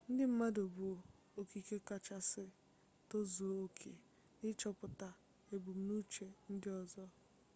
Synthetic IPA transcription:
n̩˦dɪ˦m̩˦ma˦do˨bo˨ | o˨ki˨ke˦ka˨t͡ʃa˦sɪ˦ | to˦zo˨o˦kʰḛ˨ | nɪ˦t͡ʃɔ˦pʊ˨ta˨ | e˨bu˨m̩˦nu˦t͡ʃe˨n̩˦dɪ˦ɔ˨zɔ˦

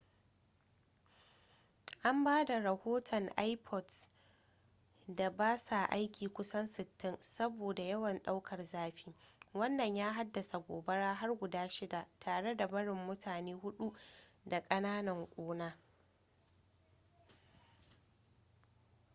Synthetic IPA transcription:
ʔa˦mbaː˦da˨ɾɐ˨hoː˦tʰɔ˨ŋʔa˦jpʰɔ˨t | da˨baː˦sa˨ʔa˦jkʲiː˨kʷʊ˦sɐ˦nsɪ˨tːɪ˦nsɐ˦boː˨da˨jɐ˦wɐ˨nɗa˦wkʰɐ˨rzaː˦ɸiː˦wɐ˦nːɐ˨ɲjaː˦ɦa˦dːɐ˨sa˨ɡʷoː˨bɐ˦ɽaː˦ɦa˦rɡʷʊ˨daː˦ʃɪ˦da˨tʰaː˨ɽe˦da˨bɐ˦ɽɪ˨mːʊ˦tʰaː˨neː˦hʊ˦ɗu˦da˨kʼɐ˦naː˦nɐ˨ŋkʷʼoː˦naː˦

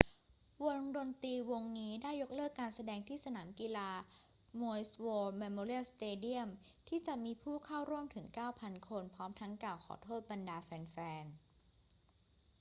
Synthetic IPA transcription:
wo˧ŋdo˧nt̪iː˧wo˧ŋniː˦˥daː˥˩jːo˦˥k̚lɤː˥˩kːaː˧nsa˧dɛː˧ŋt̪ʰiː˥˩sa˧naː˩˦mkiː˧laː˧ | moː˧jswoː˧me˧moː˧ɾi˥˩əwst̪eː˧di˥˩əmt̪ʰiː˥˩t͡ɕa˨˩ʔmiː˧pʰuː˥˩kʰa˥˩wɾu˥˩əmt̪ʰɯ˩˦ŋkaː˥˩wpʰa˧nkʰo˧npʰɔː˦˥mt̪ʰa˦˥ŋkaː˨˩wkʰɔ̰ː˩˦t̪ʰoː˥˩t̪̚ba˧ndaː˧fɛː˧nfɛː˧n

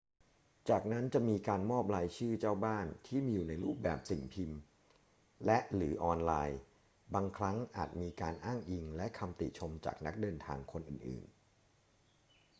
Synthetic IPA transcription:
t͡ɕaː˨˩k̚na˦˥nt͡ɕa˨˩miː˧kaː˧nmɔː˥˩p̚laː˧jt͡ɕʰɯː˥˩t͡ɕaː˥˩wbaː˥˩nt̪ʰiː˥˩miː˧juː˨˩na˧jɾuː˥˩p̚bɛ̰ː˨˩p̚si˨˩ŋpʰi˧m | lɛ˦˥ʔɾɯː˩˦ʔɔː˧nlaː˧j | baː˧ŋkʰɾa˦˥ŋʔa̰ː˨˩t̪̚miː˧kaː˧nʔaː˥˩ŋʔi˧ŋlɛ˦˥ʔkʰa˧mt̪i˨˩t͡ɕʰo˧mt͡ɕa̰ː˨˩k̚na˦˥k̚dɤː˧nt̪ʰa̰ː˧ŋkʰo˧nʔɯ̰ː˨˩nʔɯ̰ː˨˩n

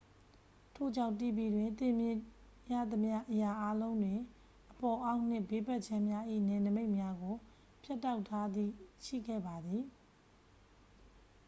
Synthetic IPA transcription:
tʰo̰˦˨d͡ʑã˦˨ʊ̃tːḭ˦˨bi˦˨dwɪ̃˨nt̪ɪ̃˨mjɪ̃˦˨ | ja̰˦˨d̪əmja˦ʔəja˨ʔa˦lõ˦ʊ̃ndwɪ̃˨ | ʔəpɔ˨ʔã˦ʊ̃n̥ɪ̰̃˦˨be˦pɛ˦ʔ̚t͡ɕʰã˦mja˦ʔḭ˦˨nɛ˨nəme˦ɪʔmja˦ɡo˨ | pʰja˦tːa˦ʊtʰːa˦d̪ḭ˦˨ʃḭ˦˨ɡɛ̰˦˨ba˨d̪i˨

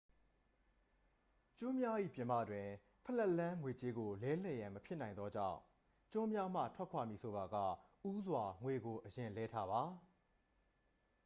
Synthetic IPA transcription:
t͡ɕʊ̃˦mja˦ʔḭ˦˨pjɪ̃˨ma̰˦˨dwɪ̃˨ | pʰə˨lɛ˦˨ʔlã˦ŋwe˨t͡ɕe˦ɡo˨lɛ˦l̥ɛ˨jã˨məpʰjɪ˦ʔnã˨ɪ̃nd̪ɔ˦d͡ʑã̰˦˨ʊ̃ | t͡ɕʊ̃˦mja˦m̥ä̰˦˨tʰwɛ˦kʰwa˨mji˨sʰo˨ba˨ɡä̰˦˨ʔu˦zwa˨ŋwe˨ɡo˨ʔəjɪ̃˨lɛ˦tʰa˦ba˨

